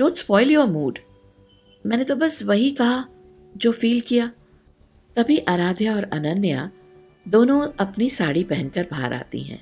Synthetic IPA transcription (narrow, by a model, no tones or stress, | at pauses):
nõːnspɔːɪljoːɾmuːɖ | mɛ̃ːnet̪obɐsʋɐɦikɐɦa | d͡ʒoːfiːlkijaː | t̪ɐbʱiʔɐɾaːd̪ʱjaɔːɾɐnɐnːja̰ | d̪oːnõɐpnisaːɽipɛɦɛ̃nkɐɾbʱa̰ːɾʔa̰ːt̪ḭɦɛ̰̃ː